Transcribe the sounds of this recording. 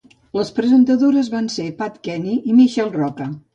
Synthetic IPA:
ləspɾəzənt̪əðoɾəzβansepat̪kɛniʔimiʃɛlˠrɔkə

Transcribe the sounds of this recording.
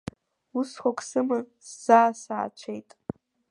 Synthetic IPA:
usχʷokʼsɨmɨsz̥aːsaːt͡ʃʷʰejtʼ

